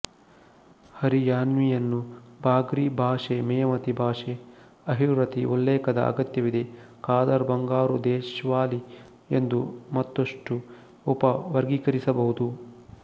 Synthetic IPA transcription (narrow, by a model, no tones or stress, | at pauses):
hɐɾijaːnʋijɐnːubʱaːɡɾibʱaːʂemɛjɐmɐt̪ibʱaːʂe | ɐɦiʋɾɐt̪iʔulːeːkɐd̪ɐ̰ɐ̰ɡɐt̪jɐʋid̪e̞ | kaːd̪ɐɾbɐŋɡaːɾud̪ɛːʃʋaːli | end̪umɐt̪ːɐʂʈu | upɐʋɐɾɡikɐɾisɐbɐɦud̪u